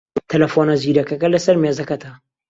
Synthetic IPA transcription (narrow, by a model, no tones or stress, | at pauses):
t̪ʰɐlɐfoːnɐziːɾɐkɐkɐlɐsɐɾmeːzɐkɐt̪ʰɐ